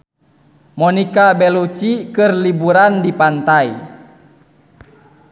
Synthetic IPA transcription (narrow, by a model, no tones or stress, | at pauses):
mɔnikabɛlut͡ʃikɨrlibuɾandipant̪ai